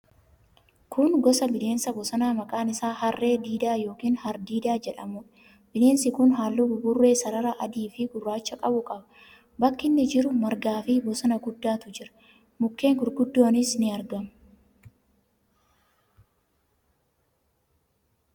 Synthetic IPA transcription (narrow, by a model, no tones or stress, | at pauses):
kʊnɡɔsɐbɪle̞ːnsɐbɔsɐnaːmɐkʼaːnɪsaːhɐrːe̞ːd̪iːd̪aːjo̞ːkiːnhɐɾd̪iːd̪aːd͡ʒɛᶑɐmʊᶑ | bɪle̞ːnsɪkʊnɦaːlːʊbʊbʊrːe̞ːsɐɾɐɾɐʔɐd̪iːfɪɡʊrːaːt͡ʃːɐkʼɐbʊkʼɐbɐ | bɐkːɪnːɪd͡ʒɪɾʊmɐɾɡaːfɪbɔsɐnɐɡʊd̪ːaːt̪ʊd͡ʒɪɾɐ̥ | mʊkːe̞ːŋɡʊɾɡʊd̪ːo̞ːnɪsnɪɐɾɡɐmʊ